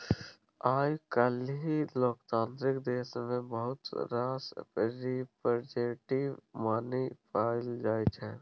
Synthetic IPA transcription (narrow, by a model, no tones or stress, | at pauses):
aːjkəlɦiloːkt̪ãːnt̪ɾɪkd̪eːsmẽbəɦʊt̪ɾaːspɾipəɾd͡ʒeːʈimaːnipʰaːɪld͡ʒaːit͡ʃʰɛ̃ː